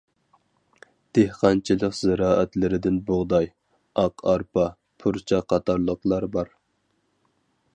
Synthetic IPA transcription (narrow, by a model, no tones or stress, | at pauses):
d̪̥ehqʰɑnt͡ʃʰilˠəqz̥ɪɾɑːʔɛt̪lɪɾɪd̪ɪnboʁd̪ɑj | ɑqʰɑɾpɑ | pʰuɾt͡ʃʰɑqʰɑt̪ʰɑɾlˠəqlˠɑɾbɑɾ